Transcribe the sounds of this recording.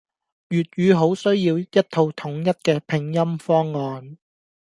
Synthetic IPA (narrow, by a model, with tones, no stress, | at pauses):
jyː˨t̚ɥyː˨˧ɦo˨˥wsɵ˥ɥjiː˧wjɐ˥t̚t̪ʰo˧wt̪ʰʊ˨˥ŋjɐ˥t̚kɛː˧pʰɪ˨˧ŋjɐ˥mfɔː˥ŋːɔː˧n